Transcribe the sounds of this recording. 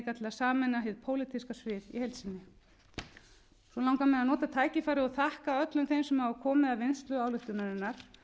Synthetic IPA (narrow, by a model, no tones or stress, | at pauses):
kat̪ʰɪlasaːmɛnaɦɪðpʰoːwlɪt̪ʰiskasvɪːðḭhejlt̪sɪnːɪ | svɔlawŋkamɛðanɔːt̪at̪ʰaːjcɪfaːɾɪɔɣθahkaœt̪lʏmθejmsɛmhavʏkʰɔːmɪðavɪnst̪lʏaːwlʏht̪ʏnaɾɪnːaɾ̥